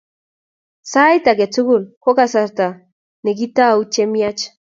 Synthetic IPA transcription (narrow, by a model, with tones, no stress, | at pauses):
sa˦jt̪a˨ke˨t͡su˦ɣulko˦kasaɾt̪a˨ | ne˨ɡit̪a˦ut͡ʃemiat͡ʃ